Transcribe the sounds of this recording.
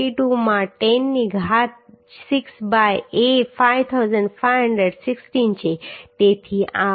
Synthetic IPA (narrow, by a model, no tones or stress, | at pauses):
iʈumãʈɛnːiɡʱat̪ | sɪksbajefajʋt̪ʰawzə̃ɳɖfajʋɦəɳɖɾəɖsɪksʈint͡ʃʰet̪et̪ʰia